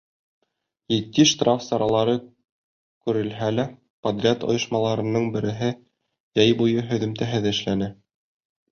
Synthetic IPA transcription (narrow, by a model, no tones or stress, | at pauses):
jĭt̪ːiʃt̪rafsɑɾɑlˠɑɾɤ | kʉɾɘ̆lɦælæ | pɐd̪rʲat̪ŏ̰jŏʃmɑlˠɑɾɤ̆nɤɴbɘ̆ɾɘ̆ɦɘ | jæjbujɤɦɵ̆ðɘ̆mt̪æɦɘðɘ̆ʃlænɘ